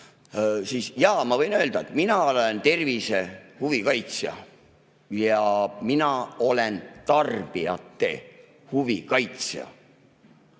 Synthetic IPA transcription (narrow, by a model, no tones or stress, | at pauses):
siːsjɑːmɑvɤ̞jnøːld̪̥ɑet̪minɑolent̪e̞rvise̞huvikɑjt̪sjɑ̰ | jɑminɑo̞le̞nt̪ɑrb̥iɑt̪ːe̞̰ | huvikɑjt̪sjɑ̰